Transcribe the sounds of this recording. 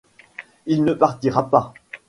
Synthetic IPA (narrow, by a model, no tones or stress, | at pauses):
ilnəpaʁt̪iʁapa